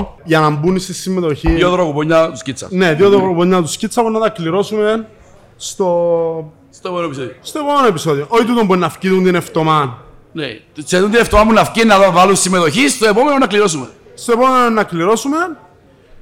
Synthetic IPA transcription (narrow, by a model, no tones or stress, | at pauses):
ʝɐnɐmbunist̪isːimːet̪oçijoðɾokopoɲːɐt̪uscit͡sːɐ̰neðjoðɾokkopoɲːɐt̪uscit͡sːɐpunːɐt̪ɐkliɾo̞sumen | st̪o | st̪oepomenoepisoðiost̪oepomenoepisoðioʔoit̪̬ut̪omboɾinːɐfciðunt̪ineft̪omɐnneseðunt̪ineft̪omapunːɐfcinːɐðɐvalunsimːet̪oçist̪oepomenonːɐkliɾosumen | st̪opomenoonːɐkliɾo̞sumen